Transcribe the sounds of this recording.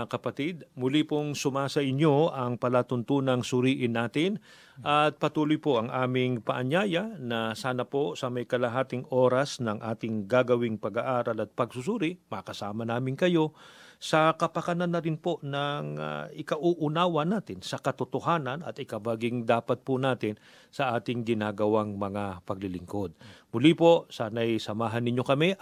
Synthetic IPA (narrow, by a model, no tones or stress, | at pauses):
kɐpɐt̪ɪd̪̚mʊlipoŋsʊmaːsɐʔɪɲjo̞ɐŋpɐlat̪ʊnt̪unɐŋsʊɾiːʔɪnːaːt̪ɪn | ʔɐt̪̚pɐt̪uːlʊjpoʔɐŋʔaːmɪŋpɐʔɐɲjaːjɐnɐsaːnɐpo̞sɐmɐjkɐlɐɦaːt̪ɪŋo̞ːɾɐsnɐŋʔaːt̪ɪŋɡaɡɐwɪŋpɐɡaʔaːɾɐlɐt̪̚pɐɡsʊs̬uɾimɐkɐsaːmɐnaːmɪŋkɐjo̞sɐkɐpɐkɐnɐnːɐɾɪnpo̞ʔnɐŋ̰ʔɪkɐʔuʔʊnaːwɐnaːt̪ɪnsɐkɐt̪ʊt̪oɦaːnɐnɐ̰t̪ɪkɐbaɡɪŋd̪aːpɐt̪̚pʊnaːt̪ɪn | sɐʔaːt̪ɪŋɡɪnaːɡɐwaŋmɐŋapɐɡ̚lɪlɪŋko̞d̪̚mʊlipo̞saːnɐjsɐmaːɦɐnɪɲːo̞kɐmɛ